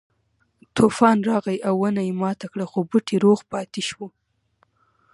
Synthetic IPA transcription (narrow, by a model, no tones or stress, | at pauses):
t̪ufɑnɾɑɣajʔawːənajemɑt̪akɽaxobuʈʰeɾoɣpɑt̪iʃwu